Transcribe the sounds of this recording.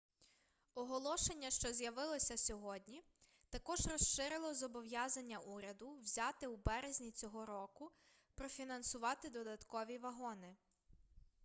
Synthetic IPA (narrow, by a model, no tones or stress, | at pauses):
ɔɦɔlˠɔʃe̞nʲːɐʃt͡ʃɔzʲjɐʋɪlˠɔsʲɐsʲɔɦɔdʲnʲi | t̪ɐkɔʒrɔsʃɪɾɪlˠɔzɔbɔʋjazɐnʲːɐʔuɾʲɐd̪ʊwzʲat̪ɪwbɛɾezʲnʲit͡sʲɔɦɔɾɔkʊ | pɾɔfʲinɐnsʊʋɑt̪ɪd̪ɔd̪ɐt̪kɔʋʲiʋɐɦɔnɪ